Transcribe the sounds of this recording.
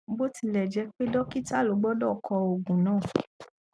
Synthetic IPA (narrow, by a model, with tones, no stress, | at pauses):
bo˦ti˧˨lɛ˨d͡ʒɛ˧˦k͡pe˦dɔ˦ki˦ta˦˨lo˨˦ɡ͡bɔ˦dɔ˦˨kʰɔ˧o˨ɡũ˨nãː˦˨